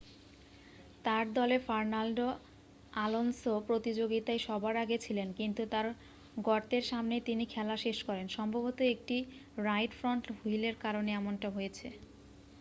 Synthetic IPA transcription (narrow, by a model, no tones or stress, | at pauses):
t̪aɾd̪ɔlefaɾnalɖo | alonsopɾot̪id͡ʑoɡit̪ajʃɔbaɾaɡet͡ɕʰilenkint̪ut̪aɾ | ɡɔɾt̪eɾʃamnejt̪inikʰɛlaʃeʃkɔɾenʃɔmbʱobot̪oek̚ʈiɾajʈfɾoɳʈɦujleɾkaɾoneɛmonʈaɦojet͡ɕʰe